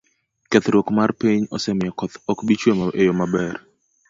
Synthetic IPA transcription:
kɛt̪ɾwokmarpiɲɔsɛmɪjɔkɔt̪ɔkbit͡ʃwemaʔejomabɛr

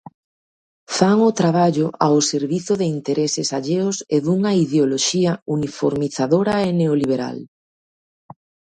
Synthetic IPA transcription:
faŋʊt̪ɾaβ̞aʎʊʔawseɾβiθʊðeint̪eɾʔesɪsaʎeʊseðuŋɐiðeoloʃiɐunifo̰ɾmiθaðoɾɐeneoliβeɾa̰l

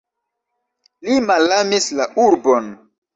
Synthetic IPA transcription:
limalamislaʔuɾbon

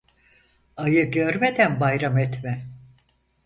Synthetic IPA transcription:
ajɯɟøɾmed̪ænbajɾamɛt̪mɛ

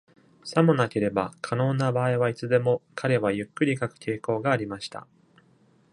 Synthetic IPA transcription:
samɯ̟nake̞ɾe̞bakʰano̞ːnabaːiβait͡sɨd̪e̞mo̞kʰaɾe̞βajɯ̟kːɯ̟ɾʲikakɯ̟̥t̪ʰe̞ːko̞ːɡaːɾʲimaɕi̥t̪a̰

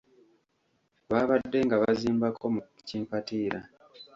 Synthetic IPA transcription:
βaːβadːe̞ŋɡaβaziːmbako̞mu | ciːmpatiːɾa

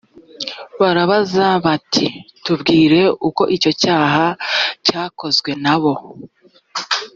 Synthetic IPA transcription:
βaɾaβazaβatʰitubɡiːɾe̞uko̞ʔico̞caːɦacaːko̞zɡwe̞naβo̞

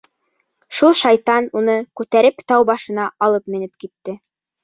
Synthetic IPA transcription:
ʃulˠʃɑjt̪ɑnunɤkʉt̪æɾɘpt̪ɑwbɑʃɤ̆nɑʔɑlˠɤpmɘ̆nɘpkit̪ːɘ

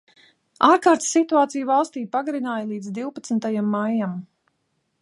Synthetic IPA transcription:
aːɾkaːɾt̪sːit̪uaːt̪sijvalˠst̪iːpaɡaɾinaːjlˠiːd̪zd̪iwpat̪snt̪ajamːajːam

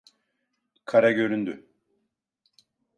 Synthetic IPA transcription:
kʰaɾaɟø̞ɾynd̪y

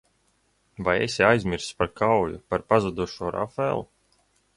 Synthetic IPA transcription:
vajɛ̰sʲɛajzmʲiɾspaɾkawjṵpaɾpazud̪uɔʃuɔɾʔa̰fɛlˠu

